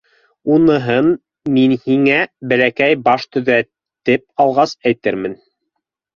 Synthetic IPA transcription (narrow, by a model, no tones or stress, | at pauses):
unɤ̆ɦɤn | minhiŋæbælækæjbɑʃt̪ɵ̆ðæ | t̪ɘp̚ɑlˠʁɑsæjt̪ɘɾmɘn